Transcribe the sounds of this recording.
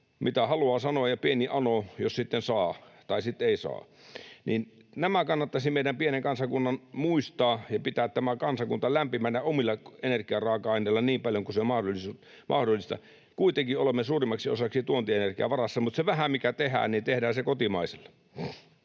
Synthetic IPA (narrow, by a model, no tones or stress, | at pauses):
mit̪æhɑluɑːsɑnoɑjjɑpieniʔɑnojossit̪ːensɑːt̪ɑisit̪ːeisɑ̰ː | niːnnæmækɑnːɑt̪ːɑsimeidæmpieneŋkɑnsɑkunːɑnmuist̪ɑːjɑpit̪æːt̪tæmækɑnsɑkunt̪ɑlæmpimænːæomilːɑenerkiɑrɑːkɑɑinelːɑniːmpɑljoŋkuseomɑhdolis | mʔɑ̰hdolːˑist̪ɑ̰ | kuit̪eŋkiolemːesuːrimːɑksio̰sɑksit̪uont̪ieenerkiæ̰ʋɑrɑsːɑmut̪seʋæhæmikæt̪ehæ̰ːnit̪ehdæːsekot̪imɑiselː